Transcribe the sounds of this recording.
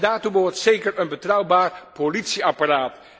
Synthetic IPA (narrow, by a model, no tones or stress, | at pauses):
daːrtuʋɔɹtsejkərənbətrʌwbaːrpolitsiaparaːt